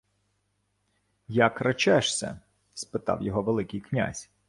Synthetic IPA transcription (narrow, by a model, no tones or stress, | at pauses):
jakrɐt͡ʃɛʃsʲɛ̰ | spɪt̪ɑ̰wjɔɦɔʋelˠɪkɪjknʲa̰zʲ